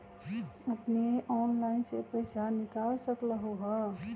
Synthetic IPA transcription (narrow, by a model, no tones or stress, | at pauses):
əpneʔɔːnlaɪnsepəɪsanɪkaːlsəkləɦoɦə